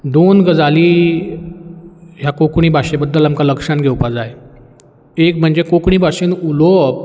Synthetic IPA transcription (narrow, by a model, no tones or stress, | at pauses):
d̪onɡəd͡zaliː | ɦjakokɳ̃iːbʱaɕebəd̪ʱːəlamkaləkʂanɡʱewpad͡zaje | ek̚m̤əɳd͡zekokɳ̃iːbʱaɕenulo